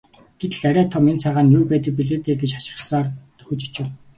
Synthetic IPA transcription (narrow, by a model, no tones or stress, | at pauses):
ɡ̥et̪ɘ̆ɮæɾʲæːt̪ʰɔment͡sʰaʁaːnjuːpæːt̪̬ə̆k̚piɮeːt̪eːɡet͡ɕḁt͡ɕɪ̥̆χsaːrt̪ɵ̥xʲɵ̆t͡ɕi̥t͡ɕɪ̆w